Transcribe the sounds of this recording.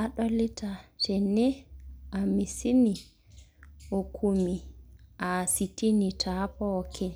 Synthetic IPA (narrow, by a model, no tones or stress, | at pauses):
aɗɔlitatɛnɛamisini | ɔkʰumiʔasitinitʰapɔkʰɛ